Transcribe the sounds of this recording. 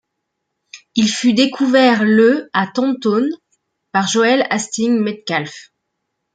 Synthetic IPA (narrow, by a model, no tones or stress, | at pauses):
ilfyd̪ekʰuvɛʁləat̪ɑ̃t̪on | paʁʒoɛlast̪iŋmɛt̪̚kʲalf